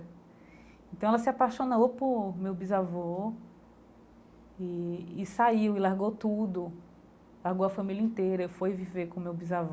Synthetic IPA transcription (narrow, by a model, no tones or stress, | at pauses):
ẽt̪ɐ̃w̃ɛlɐsɪapaʃonowpʊɾmewbizavo | iːsaiwɪlaɾɡowt̪ud̪ʊ | laɾɡowɐfɐ̃milʲɐĩt̪ejɾɐfojviveɾkõmewbizav